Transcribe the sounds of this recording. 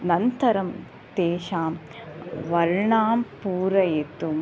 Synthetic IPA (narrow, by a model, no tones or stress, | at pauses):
nɐnt̪ɐɾɐm | t̪eːʃaːm | ʋɐɾɳaːmpuːɾɐjet̪um